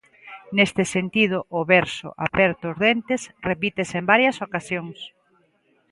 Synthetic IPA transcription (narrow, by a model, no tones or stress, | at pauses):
nest̪ɪsent̪ið̞ʊʔːβɛɾsʊ̰ʔa̰pɛɾt̪oːzðent̪ɪsrepit̪esembaɾjɐsokasjoŋs